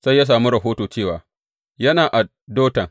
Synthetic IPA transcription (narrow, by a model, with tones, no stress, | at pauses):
sa˦jːa˦s̬aː˨mu˦ɾɐ˨ɦoː˦toː˨t͡ʃeː˦˨waː˨ | jɐ˦naː˨ʔa˨ | doː˦tɐ˨ŋ